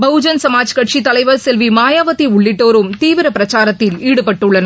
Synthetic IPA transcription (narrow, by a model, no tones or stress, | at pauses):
bɐʊd͡ʒɐnsɐmaːd͡ʒkɐʈt͡ʃit̪ɐlɐɪʋɐɾsɛlʋimaːjaːʋɐt̪iʊɭːɪʈːoːɾɯmt̪iːʋɪɾɐpɪɾɐt͡ʃaːɾɐt̪ːɪliːɽɯpɐʈːɯɭːɐnɐ